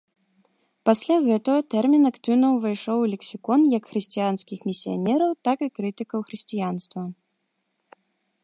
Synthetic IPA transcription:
pasʲlʲaɣɛt̪ɐɣɐt̪ɛrmʲinakt̪ɨwnɐwvɨjʂɔwlʲɛksʲikɔnjɐkxɾɨsʲt͡sʲijanskʲixmʲisʲija̰nʲɛɾɐwt̪akɨkɾɨt̪ɨkɐwxɾɨsʲt͡sʲijanst̪vɐ

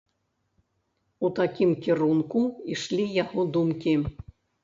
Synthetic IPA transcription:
ut̪akʲimkʲiɾunkuiʂlʲijaɣɔd̪umkʲi

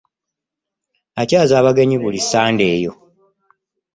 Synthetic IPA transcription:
acaːzaːβaɡe̞ɲiβulisaːnde̞ːjo̞

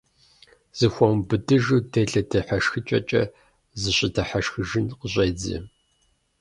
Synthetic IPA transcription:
z̥ɨxʷɔmbɨdɨʒuːdeɮɐdɐħaʃxɨt͡ʃʼɐ̰t͡ʃʼɐ̰ | zɨɕʼɪdʰɐħaʃxɨʒɪnqəɕʼɐjd͡zḭ

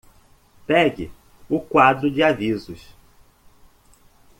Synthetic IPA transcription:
pɛɡɪ̰ | ʊkwad̪ɾʊd͡ʒɪavizʊs

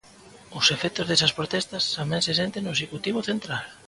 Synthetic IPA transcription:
ʊsefɛk̚t̪ʊzðesɐspɾot̪ɛst̪ɐst̪amɛ̃ŋses̬ent̪eŋnʊesekut̪iβʊθent̪ɾal

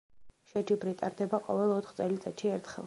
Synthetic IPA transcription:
ʃɛd͡ʒibɾit̪ʼaɾd̪ɛbaqʼɔ̰vɛlˠɔt̪ʰχt̪sʼɛlit̪sʼɛ̰t̪ʃiɛɾt̪ʰχɛ̰lˠ

